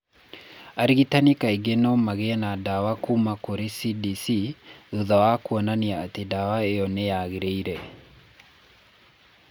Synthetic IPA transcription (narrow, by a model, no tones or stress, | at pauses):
aɾiɣitanikaiɡenɔmaɣeɛnadawakumakoɾesidisiuðawakuɔnaniaːtedawaeɔnejaɣeɾeiɾɛ